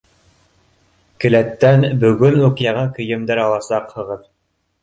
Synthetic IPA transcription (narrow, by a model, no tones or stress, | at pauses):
kɘ̆læt̪ːænbɵ̆ɡɵnʉkjɑʁɤŋkɵ̆jɘ̆md̪ɘɾɑlˠɑsɑqhɤ̆ʁɤð